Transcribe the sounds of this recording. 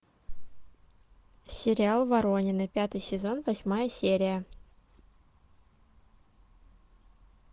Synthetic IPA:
sʲɪɾʲɪalˠvɐɾo̞nʲɪnɨpʲat̪ɨjsʲɪzo̞nvɐsʲmajəsʲeɾʲɪjə

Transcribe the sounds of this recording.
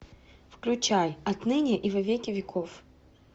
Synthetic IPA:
fklʲʊt͡ɕajɐt̪nɨnʲɪʔivɐvʲekʲɪvʲɪkʰof

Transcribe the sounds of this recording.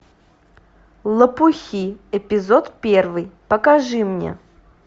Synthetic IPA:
lˠəpuxʲiɛpʲɪzot̪pʲervɨjpəkaʐɨmnʲḛ

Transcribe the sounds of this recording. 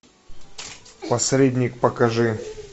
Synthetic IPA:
pɐsɾʲedʲnʲɪk̚pəkɐʐɨ

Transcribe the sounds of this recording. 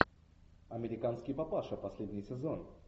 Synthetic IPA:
ɐmʲɪɾʲɪkanskʲɪjpɐpaʂəpɐsʲlʲedʲnʲɪjsʲɪzon

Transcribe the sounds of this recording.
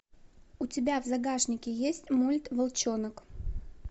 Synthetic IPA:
ʊtʲɪbʲavzɐɡaʂnʲɪkʲɪjesʲtʲmulʲt̪vəlˠt͡ɕonək

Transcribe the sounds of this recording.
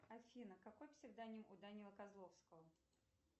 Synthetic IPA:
ɐfʲinəkakojfsʲɪɡd̪anʲɪəmʔʊd̪anʲɪlˠəkazlˠofskəvə

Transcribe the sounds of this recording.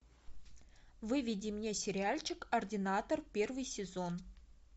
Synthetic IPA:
vɨvʲidʲimnʲesʲɪɾʲɪalʲt͡ɕɪkɐrdʲɪnat̪orpʲe̞rvɨjsʲɪzo̞n

